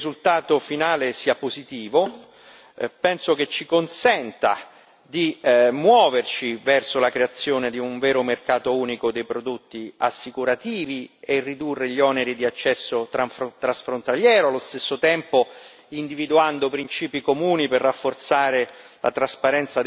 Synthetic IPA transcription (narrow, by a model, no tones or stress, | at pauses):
zult̪aːt̪ofinaːlesiːapozit̪iːvo | pɛnsok̟et͡ʃːikonsɛnt̪a̰ | d̪imwɔːvert͡ʃivɛrsolakɾeat̪sːjoːned̪iuɱvɛːɾomerkaːt̪ouːnikod̪ejpɾod̪ot̪ːiasːikuɾat̪iːvierːid̪urːeʎiɔneɾid̪iat͡ʃːɛsːot̪ɾat̪ɾasfɾont̪aljɛːɾoalːost̪esːot̪ɛmpo | ind̪ivid̪uand̪opɾint͡ʃiːpikomuːniperːafːort̪saːɾe | la̰t̪ɾaspaɾɛnt̪sad̪